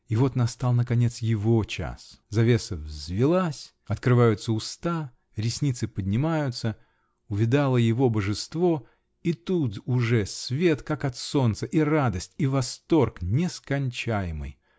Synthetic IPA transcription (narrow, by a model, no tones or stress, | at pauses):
ɪvo̞t̪nɐst̪alˠnəkɐnʲe̞t̪sjɪvo̞t͡ɕa̰szɐvʲe̞səvzʲvʲɪlˠasʲ | ɐt̪kɾɨvajʊt̪səʊst̪a | ɾʲɪsʲnʲit̪sɨpədʲnʲɪmajʊt̪sə | ʊvʲɪd̪alˠəjɪvo̞bəʐɨst̪vo̞ | it̪ut̪ʊʐɛsʲvʲe̞t̪kakɐt̪so̞nt̪səʔirad̪əsʲtʲivɐst̪o̞rknʲɪskɐnʲt͡ɕæjɪmɨ̰j